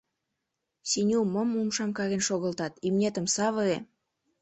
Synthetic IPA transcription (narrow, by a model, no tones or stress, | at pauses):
sinʲumomumʃɑmkɑɣenʃoɣə̆lt̪ɑt̪ymnʲet̪ə̆msɑβəe